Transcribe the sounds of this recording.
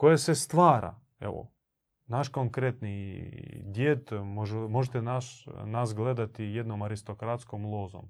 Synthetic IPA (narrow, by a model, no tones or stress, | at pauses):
kojesest̪ʋaːɾa̰ | ḛʋo̰ | naʃkoŋkɾet̪ni | d̪jet̪moʒmoʒet̪enaʃnasɡled̪at̪ijed̪nomaɾist̪okɾat̪skomlˠozo̰m